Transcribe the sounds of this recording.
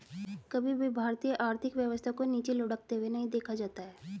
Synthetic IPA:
kɐbʱibʱibʱaːɾt̪ijəʔaːɾt̪ʰɪkʋjəʋəst̪ʰakoniːt͡ʃelʊɽəkt̪eɦʊenɐɦĩd̪eːkʰad͡ʒaːt̪aɦɛː

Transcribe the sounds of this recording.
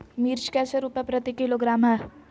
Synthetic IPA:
miːɾt͡ʃkɛːseɾuːpɛ̃pɾət̪ikiloɡɾaːmɦɛː

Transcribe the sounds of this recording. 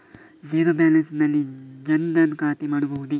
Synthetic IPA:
d͡ʒeːɡɐbjaːlɐnsnɐlid͡ʒɐnd̪ɐnkaːt̪imɐɽ̃ubʱɐɦud̪i

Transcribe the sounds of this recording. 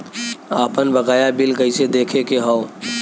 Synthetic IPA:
aːpənbɐɡaːjabɪlɡəised̪eːkʰekeɦɔː

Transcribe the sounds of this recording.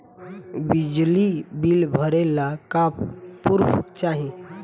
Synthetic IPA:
bid͡ʑlibilbʱəɾelakapːuɾpt͡ɕaɦi

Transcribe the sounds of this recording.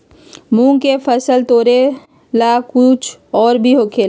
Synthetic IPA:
mũːkepʰəsəlt̪oːɾe | lakʊt͡ʃʰɔːɾbʱiɦokʰeːl

